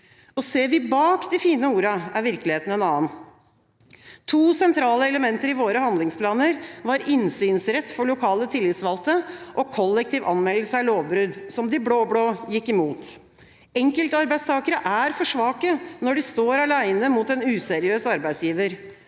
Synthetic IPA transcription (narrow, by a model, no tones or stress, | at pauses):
ɔseːʋɪbɑːkd̪ɪfiːnəuːɾɑæɾʋɪɾkəlɪheːt̪ən̩ɛnɑːən | t̪ʰuːsɛnt̪ʰɾɑːləɛləmɛnt̪əɾɪʋoːɾəhɑnd̪lɪŋspʰlɑːnəɾʋɑɾɪnsyːnsɾɛt̪ːfɔɭʊkʰɑːlət̪ʰɪlːɪt̪sʋɑlt̪əʔɔkʰɔlːɛkt̪iːʋʔɑnmɛlːəsəɑloːʋbɾʉd̪sɔmd̪ɪbɽoːbɽoːjɪkːɪmuːt̪ | ɛŋkəlt̪əɑɾbæɪd̪st̪ʰɑːkəɾəʔæɾfɔʂʋɑːkənɔɖɪst̪oːɾɑlæɪnəmut̪ɛnʉːsɛɾɪøːsɑɾbæɪd̪sjiːʋəɾ